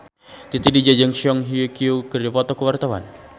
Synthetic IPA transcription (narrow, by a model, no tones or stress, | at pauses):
t̪it̪idid͡ʒad͡ʒaŋʃiɔŋɦiukiukɨrdipɔt̪ɔkəwart̪awa̰n